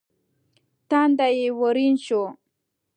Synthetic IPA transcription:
t̪and̪ajɪwʊɾɪnt͡ʃʊ

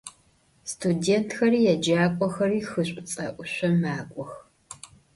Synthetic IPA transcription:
stʰudeːntʰxɐɾiːjɛd͡ʒaːkʷʼɔxɐriːxɨɕʷʼʊt͡sʼɐʔʷʊɕʷɔmaːkʷʼɔx

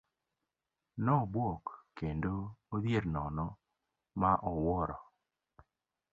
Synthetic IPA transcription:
nɔbwɔkːendoːðjeɾnɔnɔ | maʔɔwɔɾɔ

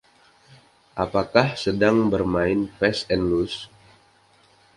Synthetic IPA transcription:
ʔapakahsədaŋbərmaɪnpɛsɛnlus

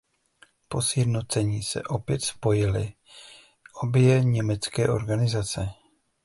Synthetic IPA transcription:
po̞sjɛdno̞t͡sɛɲiːsɛ̰ʔo̞pjɛt̪spo̞jɪlɪ̰ | ʔo̞bjɛɲɛmɛt͡skɛːʔo̞̰ɾɡanɪzat͡sɛ

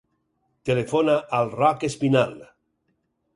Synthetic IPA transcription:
t̪elefonaʔalrakespinal

